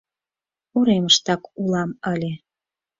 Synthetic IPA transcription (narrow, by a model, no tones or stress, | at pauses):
uɾeməʃt̪ɑkulɑməlʲe